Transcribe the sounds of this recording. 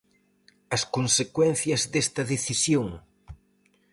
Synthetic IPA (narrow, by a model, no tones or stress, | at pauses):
ɐskonsekwɛn̟θjɐzðest̪ɐðeθisjoŋ